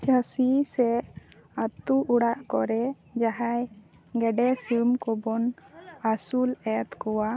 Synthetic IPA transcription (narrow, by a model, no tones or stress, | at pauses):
t͡ʃasisɛ | at̪uʔuɽaʔkɔɾɛ | d͡ʒaɦaj | ɡɛɖɛsumkɔbɔnasulɛt̪kɔwa